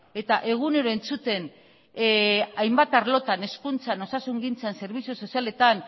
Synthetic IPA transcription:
e̞t̪aʔe̞ɣune̞ɾo̞e̞nt͡sut̪e̞n | ajmbat̪aɾlo̞t̪ane̞skunt͡sano̞sasuŋɡint͡sanse̞ɾβ̞isoso̞siale̞t̪an

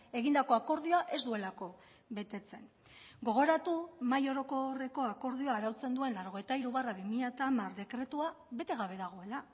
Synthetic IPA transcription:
e̞ɣind̪ako̞ako̞ɾðio̞aʔe̞zd̪ue̞lako̞ | βe̞t̪e̞t͡se̞n | ɡo̞ɣ̞o̞ɾat̪umajo̞ɾo̞ko̞re̞ko̞ako̞ɾð̞io̞aːɾawt͡se̞nd̪ue̞nlaɾo̞ɣ̞e̞jt̪aiɾuβaraβimiʎat̪amaɾd̪e̞kɾe̞t̪ua | βe̞t̪e̞ɣ̞aβe̞ðaɣ̞o̞e̞la

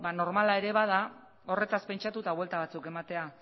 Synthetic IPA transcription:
bano̞ɾmalae̞ɾe̞βað̞a | o̞re̞t̪aspe̞nt͡ʃat̪ut̪aβwe̞lt̪aβ̞at͡suke̞mat̪e̞a

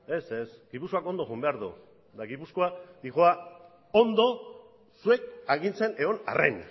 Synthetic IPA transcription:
e̞se̞sɡipusko̞ako̞nd̪o̞ɣumbe̞aɾðṵ | d̪aɣipusko̞ad̪iɣoa | ond̪o̞ | sue̞kaɣint͡se̞ne̞o̞na̰rḛn

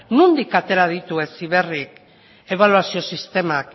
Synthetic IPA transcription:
nund̪ikat̪e̞ɾað̞it̪ue̞siβe̞rik | e̞β̞aluasio̞sist̪e̞mak

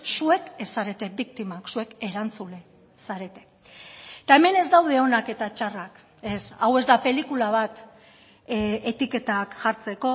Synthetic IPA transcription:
sue̞kesːaɾe̞t̪e̞bikt̪imaksue̞ke̞ɾant͡sule | saɾe̞t̪e̞̥ | t̪ae̞me̞ne̞zd̪awðe̞o̞nake̞t̪at͡ʃarak | e̞sawe̞zd̪ape̞likulaβ̞at̪ | e̞t̪ike̞t̪akʝaɾt͡se̞ko̞

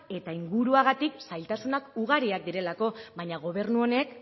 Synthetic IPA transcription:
e̞t̪aiŋɡuɾuaɣat̪iksajlt̪asunakuɣaɾiak̚d̪iɾe̞lako̞βajɲaɣ̞o̞β̞e̞ɾnuo̞ne̞k

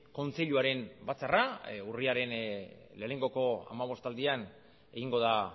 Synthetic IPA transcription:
ko̞nt͡se̞ʎuaɾe̞nbat͡sarauriaɾe̞n | le̞ːne̞ŋɡo̞ko̞a̰maβ̞o̞st̪ald̪ian | e̞ɣiŋɡo̞ð̞a

